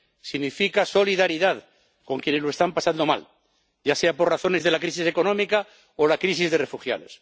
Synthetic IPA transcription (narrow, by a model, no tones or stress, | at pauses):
siɣnifikaso̞liðaɾiðað | ko̞ŋkje̞neloest̪ampasand̪o̞ma̰l | ʝaseapo̞rraθo̞ne̞zðe̞lakɾis̬ise̞ko̞nomika | olakɾisizðe̞re̞fuxja̰ðo̞̰s